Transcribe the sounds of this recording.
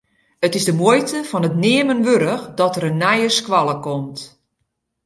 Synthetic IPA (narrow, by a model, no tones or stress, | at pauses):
ətɪzdəmojtəfɔnətnɪəmənʋøɾəxdɔtəɾənːɛjəskwɔlˠəkomt